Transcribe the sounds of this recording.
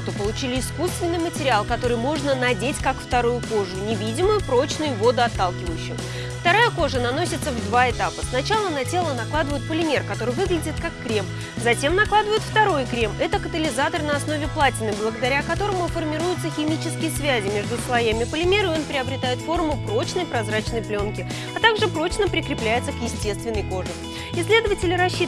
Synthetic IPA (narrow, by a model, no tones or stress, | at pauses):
t̪opəlˠʊt͡ɕilʲɪːskust̪vʲɪnːɨjmətʲɪɾʲɪalˠkɐt̪o̞ɾɨjmo̞ʐnənɐdʲetʲkakft̪ɐɾujʊko̞ʐʊnʲɪvʲidʲɪmʊjʊpɾo̞t͡ɕnʊjʊvo̞d̪ʊɐt̪ːalˠkʲɪvəjʉɕːɪj | ft̪ɐɾajəko̞ʐənɐno̞sʲɪt̪səvd̪vaɪt̪apəsnɐt͡ɕalˠənɐtʲe̞lˠənɐklˠad̪əvəjɪt̪̚pəlʲɪmʲe̞rkɐt̪o̞ɾɨjvɨɡlʲɪdʲɪt̪̚kakːɾʲe̞m | zɐtʲe̞mnɐklˠad̪əvəjɪt̪ft̪ɐɾo̞jkɾʲe̞mɛt̪əkət̪əlʲɪzat̪ərnəɐsno̞vʲɪplˠatʲɪnːəjblˠəɡəd̪ɐɾʲakɐt̪o̞ɾəmʊfərmʲɪɾujʊt̪səxʲɪmʲit͡ɕɪskʲɪjəsvʲæzʲɪmʲe̞ʐd̪ʊslˠɐjamʲɪpəlʲɪmʲe̞ɾɨo̞npɾʲɪɐbɾʲɪt̪ajɪt̪fo̞rmʊpro̞t͡ɕnəjpɾɐzrat͡ɕnəjplʲo̞nkʲɪ | ɐt̪aɡʐɨpɾo̞t͡ɕnəpɾʲɪkɾʲɪplʲæjɪt̪səkjɪsʲtʲe̞st̪vʲɪnːəjko̞ʐɨ | ɪslʲe̞d̪əvətʲɪlʲɪɾɐɕːi